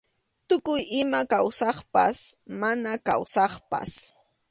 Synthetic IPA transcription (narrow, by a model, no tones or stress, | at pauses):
t̪ʊkʊjɪmakawsɑχpa̰smanaka̰wsɑχpa̰s